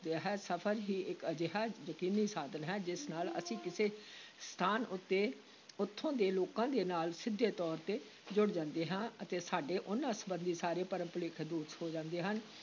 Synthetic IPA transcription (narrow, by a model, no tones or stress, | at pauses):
d̪eaːɦɛːsəpʰəɾɦiːʔɪkəd͡ʒeɦaːjəkiːniːsaːd̪ənɦɛːd͡ʒɪsnaːlə̰sĩːkɪseːst̪ʰaːnʊt̪ːeː | ʊt̪ʰːõːd̪eːloːkãːd̪eːnaːlsɪd̪ʱːeːt̪ɔːɾt̪eː | d͡ʒʊɽd͡ʒãːnd̪eːɦãːət̪eːsaːɖeːʔʊnːãːsəbənd̪iːsaːɾeːpəɾə̃mpəlɪkʰd̪uːt̪hoːd͡ʒãːnd̪eːɦən